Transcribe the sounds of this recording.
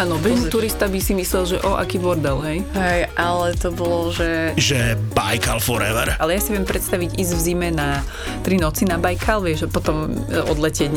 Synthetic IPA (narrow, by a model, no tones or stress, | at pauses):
aːnɔʋɛnit̪uɾist̪abisimislɛlʒɛʔɔʔa̰kiːbɔɾd̪ɛlɦɛjɦɛjʔalɛt̪ɔbɔlɔʒɛʒɛbajkalfɔɾɛʋɛ̰ɾʔalɛjasiʋɪɛmpɾɛt̪st̪aʋiɟiːzvzimɛna | t̪ɾinɔt͡sinabajkʰalʋɪɛʒʒɛpɔt̪ɔmɔ̰d̪lɛcɪɛɟɲ